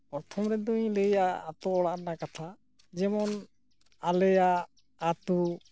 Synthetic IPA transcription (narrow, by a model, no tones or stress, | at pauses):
pɔɾt̪ʰɔmɾɛd̪uɲləjaːt̪ɔːɽaʔnakat̪ʰa | d͡ʒɛmɔn | alɛja | at̪u